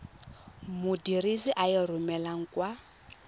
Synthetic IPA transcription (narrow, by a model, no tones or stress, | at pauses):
mʊdiɾiziʔajɛrʊmɛlaŋ̩kwa